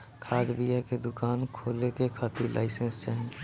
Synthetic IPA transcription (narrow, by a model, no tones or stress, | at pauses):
kʰaːd̪bijəked̪ʊkaːnkʰoːlekekʰət̪ilʔa̰ːɪsə̃nst͡ʃəɦɛ̃n